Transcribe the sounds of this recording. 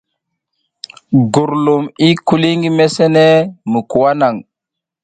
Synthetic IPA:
ɡu˨ɾlu˨mi˦ku˦li˦ŋɡi˦me˦se˦ne˦mu˨ku˨wa˦na˨ŋ

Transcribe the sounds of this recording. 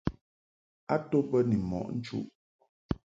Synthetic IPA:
a˦to˦pə˦ni˨mɔ̰˨ʔn̩˦t͡ʃṵ˦ʔ

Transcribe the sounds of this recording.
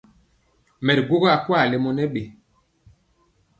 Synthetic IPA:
mɛ˨tɡo˦ɣɔ˦a˨kwa˦˨lɛ˨mɔ˨nɛ˦ɓe˨

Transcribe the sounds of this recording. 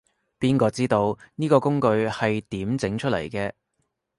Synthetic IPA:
piː˥nkɔː˧t͡siː˥t̪o˧wniː˥kɔː˧kʊ˥ŋkɵ˧ɥhɐ˨jt̪iː˨˥mt͡sɪ˨˥ŋt͡ʃʰɵ˥t̚lɐ̰˨˩jkɛː˧

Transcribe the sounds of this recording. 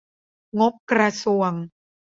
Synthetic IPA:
ŋo˦˥p̚kɾa˧su˨əŋ

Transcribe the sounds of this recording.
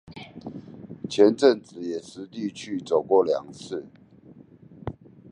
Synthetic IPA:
t͡ɕʰjɛ˨˦˥nʈ͡ʂə˥˨ŋt͡sɹ̩˨˩˦jɛ˨˩sɹ̩˧˦t̪i˥˧t͡ɕʰy˥˩t͡so˨˩ʊkwɔ˥˩ljɑ̰˨˩ŋt͡sʰɹ̩˥˩

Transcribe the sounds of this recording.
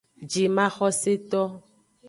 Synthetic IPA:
d͡ʒi˨mã˦xɔ˦se˦t̪ɔ˦

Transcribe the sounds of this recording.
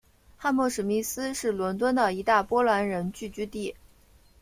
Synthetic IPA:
xa˥˧nmwɔ˥˩ʂɻ̩˨˩mi˥˩sɹ̩˥ʂɻ̩˥˩lwə˧˥nt̪̬wə˥nd̪ə˨i˧˥t̪a˥˩pwɔ˥lwa˧˥nɻə˧˥nt͡ɕy˥˩t͡ɕy˥t̪i˥˩

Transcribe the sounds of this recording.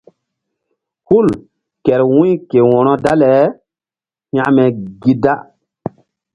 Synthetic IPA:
hu˦˨l | kɛ˨ɾwũ˦jke˨wɔ̃˨nɔ˦da˦lɛ˨˦ | ɲã˦mɛ˨ɡi˦da˦

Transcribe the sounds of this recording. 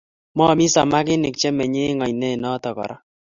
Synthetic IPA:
mɔ˦˨mi˦sa˨ma˦k̬ɪ˦nɪ˨k̚t͡ʃɛ˦mɛ˨ɲe˦ŋɔ˨jnɛ˦˨nɔ˦tɔ˨kɔ̰˨ɾa˦

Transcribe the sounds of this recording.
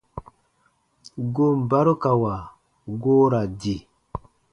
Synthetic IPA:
ɡo˦mba˦ɾo˦ka˨wa˨ | ɡoː˦ɾa˨di˨

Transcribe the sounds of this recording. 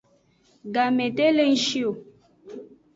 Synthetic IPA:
ɡa˨me˨te˦le˦n̩˦ʃi˦o˨

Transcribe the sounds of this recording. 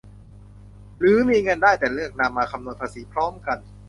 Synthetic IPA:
ɾɯː˩˦miː˧ŋɤ˧ndaː˥˩jt̪ɛː˨˩lɯ˥˩ək̚na˧mːaː˧kʰa˧mnu˧t̪̚pʰaː˧˩si˩˦pʰɾɔː˦˥mka˧n

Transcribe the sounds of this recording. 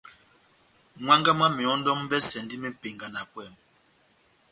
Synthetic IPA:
ŋwa˦ŋɡa˦ma˦mi˨ɔ˨˦n˦dɔ˦m˦vɛ˦sɛ˨ndi˦mɛ˦pe˨ŋɡa˨na˨kwɛ˦˨m

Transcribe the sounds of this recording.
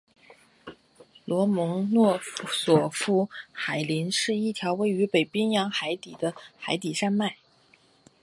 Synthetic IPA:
lwɔ˧˥mɤ˧˥ŋnwɔ˥˧swɔ˨˩fu˥xa˨˩ɪli˧˥nʂɻ̩˥˧i˥˩t̪ʰjɑ˧˥ʊwe˥˩ɪy˧˥pe˨˩ɪpi˥ŋjɑ˧˥ŋxa˧˥ɪt̪i˨˩d̪ə˦xa˧˥ɪt̪i˨˩ʂa˥nma˥˩ɪ

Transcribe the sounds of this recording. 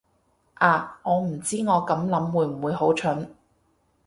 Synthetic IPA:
ʔaː˨˧ŋɔː˨˧m̩˨˩t͡siː˥ŋɔː˨˧kɐ˨˥mlɐ˨˥mwuː˨˧jm̩˨˩wuː˨˧jɦo˨˥wt͡ʃʰɵ˨˥n

